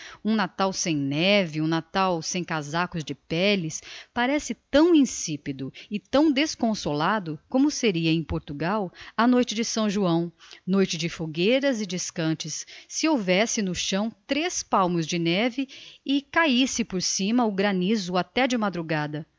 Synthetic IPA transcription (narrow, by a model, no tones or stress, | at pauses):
ũnat̪awsẽj̃nɛvɪũnat̪awsẽj̃kazakʊzd͡ʒɪpɛlɪspaɾɛsɪt̪ɐ̃w̃ĩsipid̪ʊɪt̪ɐ̃w̃d̪eskõsolad̪ʊkõmʊseɾiɐẽj̃poɾt̪uɡawɐnojt͡ʃɪd͡ʒɪsɐ̃w̃ʒuɐ̃w̃nojt͡ʃɪd͡ʒɪfoɡeɾɐzɪd͡ʒɪskɐ̃t͡ʃɪsːɪowvɛsɪnʊʃɐ̃w̃t̪ɾespawmʊzd͡ʒɪnɛvɪɪkaisɪpoɾsĩmɐʊɡɾanizʊat̪ɛd͡ʒɪmad̪ɾuɡad̪ɐ